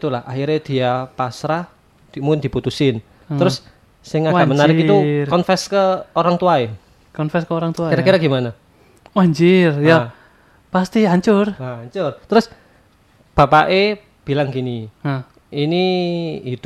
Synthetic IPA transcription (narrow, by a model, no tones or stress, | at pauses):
t̪ulahaɦiɾed̪̥i̤apasɾah | d̪̥mukɪnd̪̥i̤put̪usɪn | t̪əɾʊs | sɪŋaɡamənnaɾɾɪkiukɔnfɛskəoɾaŋt̪uae | kɔnfɛskəoɾaŋt̪uaiɾakiɾaɡimana | waɲd͡ʒɪrja | past̪iaɲt͡ʃʊrwaɲt͡ʃʊrt̪ɾʊs | b̥a̤paʔe | b̥i̤laŋkini | iniː | t̪u